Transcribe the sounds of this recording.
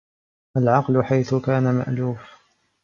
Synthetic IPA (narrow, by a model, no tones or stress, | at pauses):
ʔalʕɑqlʊħajθʊkaːnama̰ʔluːf